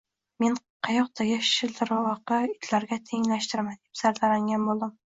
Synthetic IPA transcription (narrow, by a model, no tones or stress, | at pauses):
men | qʰɑjɒq̚t̪ʰaɡʲɪʃɪld̪ʰɪɾwɒqɑɪt̪ʰlaɾɡʲat̪ʰeŋlaʃt̪ɪɾmand̪epsaɾd̪aɾaŋɡʲanbolˠd̪ɪm